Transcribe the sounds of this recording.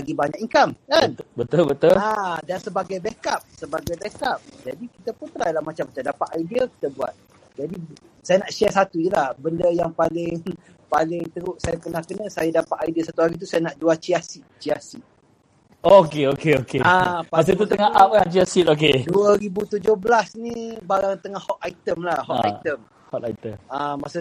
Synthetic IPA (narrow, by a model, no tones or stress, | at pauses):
laɡibaɲakiŋkamkanbət̪ulbət̪ʊladansəbaɡajbekap̚səbaɡajbekap̚d͡ʒadikit̪aput̪ɾajlahmat͡ʃamːat͡ʃamdapaʔ̪ajdiəki̥t̪abua̰t̪̚ | d͡ʒadisajanaʔʃɛsat̪ujəlahbəndəjaŋpalɪŋ | palɪŋt̪əɾuʔsajapənahkənasajadapaʔ̪ajdiasat̪uɦaɾit̪̬usajanaʔd͡ʒuat͡ʃiasit̪̚t͡ʃiasit̪̚ | okeokeokeapamas̬at̪ut̪əŋaap̚kant͡ʃiasit̪okeduaɾibut̪ud͡ʒohbəlasnibaɾaŋt̪əŋahhɔt̪̚ait̪əmlahɔt̪a̰jt̪əm | hɔt̪a̰it̪əmamasa